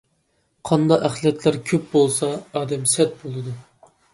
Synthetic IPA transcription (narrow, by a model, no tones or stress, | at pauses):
qʰɑnd̪ɑæχlɛt̪ʰlæɾkʲʰøp̚bolˠsɑːd̪ɛmsɛt̪̚bolˠɨd̪u